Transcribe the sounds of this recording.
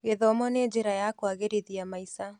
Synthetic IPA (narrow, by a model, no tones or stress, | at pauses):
ɣeðɔmɔneːɲd͡ʒeɾajakwaɣeɾeðiamaisa